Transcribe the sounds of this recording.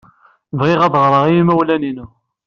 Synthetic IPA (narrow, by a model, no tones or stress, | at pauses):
vʁɪʁɑðˤʁɾˤəʁiimæwlæninu